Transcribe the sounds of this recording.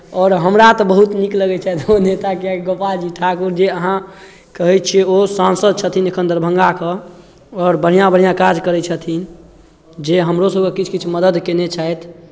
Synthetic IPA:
ɔːɾɦəmɾat̪ɔbəɦut̪nikləɡɛt͡ʃʰɛjt̪onet̪akeɡəpad͡ʒiʈʰakuɾd͡ʒeəɦã | kəɦɛt̪t͡ʃʰiosãnsəd̪̚t͡ʃʰət̪ʰinekʰənd̪əɾbʱəŋɡakə | ɔːɾbəɽ̤ijãbəɽ̤ijãkad͡ʒkəɾɛt͡ʃʰət̪ʰin | d͡ʒeɦəmɾosəbkekit͡ʃʰkit͡ʃʰməd̪əd̪kenet͡ʃʰajt̪ʰ

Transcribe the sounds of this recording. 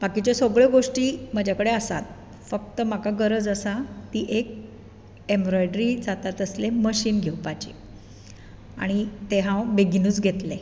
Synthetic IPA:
bakit͡ɕasoɡɭeɡoʂʈiːm̤əd͡ʑʱakəɽeəsa̰t̪̚ | fək̚t̪əm̤akaɡəɾəd͡zəsat̪iːʔek̚ | embɾojɖɾid͡zat̪at̪əsleməɕiːnɡʱewpat͡ɕḭ | a̰ɽ̃it̪eɦãwbeɡinuːt͡sɡʱet̪le

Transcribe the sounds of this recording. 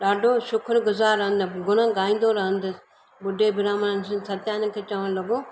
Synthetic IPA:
ɗaːɖʱoːʃʊkʰɾɡʊzaːɾɐɦənd̪ɪɡʊñ̤ə̃ɡaːĩːnd̪oːɾɐɦənd̪ɪ | bʊɖʱːeːbɪɾaːmənəns̬ɪnsʰɐt̪jaːnkʰeːt͡ʃəʋəɽ̃lɐɡoː

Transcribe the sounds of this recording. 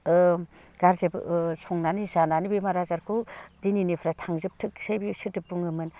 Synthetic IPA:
ɯ | ɡ̥aɾzebsʰɔŋnanizananibimaɾazaɾkʰudininipʰɾatʰaŋzɯp̚tʰɯksajbisɯtɯpːuŋɯmɯn

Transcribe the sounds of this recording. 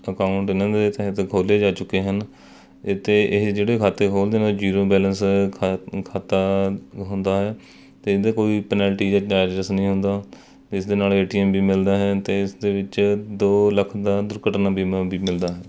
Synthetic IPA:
əkaːʊɳʈɪnãːd̪eːt̪əɦət̪kʰoːleːd͡ʒaːt͡ʃʊkːeːɦən | t̪eːʔɪd͡ʒeːɽeːkʰaːt̪eːkʰoːld̪eːnaːd͡ʒiːɾoːbɛːlənsʰ | kʰaːt̪aːɦʊnd̪aːɦɛː | t̪eːɪd̪eːkoːiːpənɛːlʈiːd͡ʒaːaːɾɾəsnəĩːɦʊ̃nd̪aː | ɪsd̪eːnaːleːʈiːɛːmbiːmɪld̪aːɦɛːt̪eːɪsd̪eːʋɪt͡ʃd̪oːləkʰd̪aːd̪ʊɾkəʈnaːbiːmaːbiːmɪld̪aːɦɛː

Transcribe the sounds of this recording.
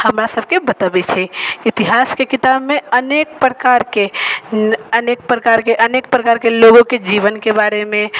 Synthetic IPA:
həmɾasəbʱkebət̪əbɛt͡ʃʰɛit̪iɦaskekit̪abmeənek̚pɾəkaɾke | ənek̚pɾəkaɾkeʔənek̚pɾəkaɾkeloɡõked͡ʒiʋənkebaɾemẽ

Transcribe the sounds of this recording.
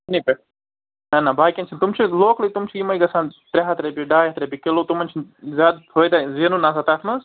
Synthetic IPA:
nipe | ɐnabaːkʲɐnt͡ʃʰint̪umt͡ʃʰiloːklit̪umt͡ʃʰiimɐjɡɐsaːnt̪ɾʲeɦɐt̪ɾebiɖaːjɦɐt̪ɾebʲikeloːt̪umɐnʲt͡ʃʰinzʲaːd̪̚pʰojd̪azeːnunasɐt̪aːt̪ʰmɐz

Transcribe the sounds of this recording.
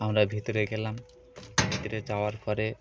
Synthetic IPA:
amɾabʱit̪oɾeɡɛlam | bʱit̪oɾed͡ʑaoaɾpɔɾe

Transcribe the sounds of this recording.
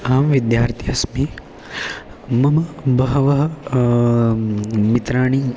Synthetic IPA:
aːmʋid̪jaːɾt̪ʰiɐsmi | mɐmɐbɐɦɐʋɐɦɐ | mit̪ɾaːɳi

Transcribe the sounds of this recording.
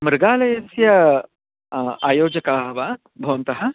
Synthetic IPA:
mɾɨɡaːlɐjɐsjɐ | aːjoːd͡ʒɐkaːɦɐʋaː | bʱɐʋɐnt̪ɐɦɐ

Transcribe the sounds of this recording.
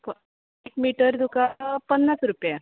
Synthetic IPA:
pə | ekmiʈəɾd̪ukapənːasɾupja

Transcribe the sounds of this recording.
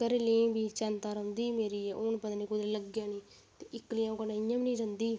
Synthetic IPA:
kəɾelẽːbiːt͡ʃənt̪aːɾə̃nd̪iːmeːɾiːɛːʔoːnpəd̪nĩːkʊd̪ɾeləɡjãːnĩː | t̪eːʔɪklɪjãːkənẽːɪjãːmnĩːɾənd̪iː

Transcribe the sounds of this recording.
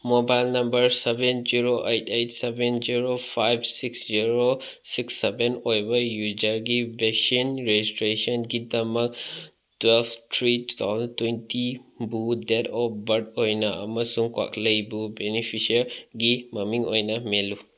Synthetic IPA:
mobajlnɐmbɐɾsebend͡ʒiɾoʔejtʰejtsebend͡ʒiɾopʰajbsiksziɾo | siksːebenojbajud͡ʒaɾɡibesinɾed͡ʒistɾesɔnɡidɐmɐk̚ | twɛlpʰtɾitu̥t̪ʰa̰wzəntwentibudetɔbɐdojnaɐ̰mɐsuŋkwa̰kləjbubenipʰisɐɾɡimɐmiŋo̰jnamelu

